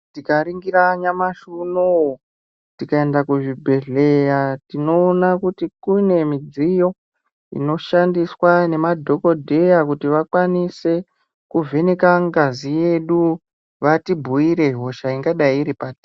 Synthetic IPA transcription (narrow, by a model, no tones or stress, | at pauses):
tikaɾiŋɡiɾaɲamaʃuno | tikae̞ndakuʐibʱe̞ɮe̞jatino̞ːnakutikune̞mid͡zijo̞ | ḭno̞ʃandiswane̞madʱo̞ko̞dʱe̞jakutiʋakwanise̞ | kuvʱe̞ne̞kaŋɡazije̞ɗu | ʋatibʱuiɾe̞ɦo̞ʃaiŋɡaɗaiɾipati